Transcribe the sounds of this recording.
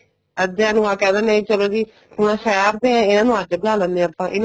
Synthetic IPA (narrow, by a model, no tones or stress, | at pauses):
əd͡ʒaːnũãːkɛ̃ːd̪aːnaĩːt͡ʃəloːd͡ʒiː | ʊnãːʃaaːɾd̪eːãːɪnãːnũːad͡ʒbəaːlənːẽəpːãːʔɪn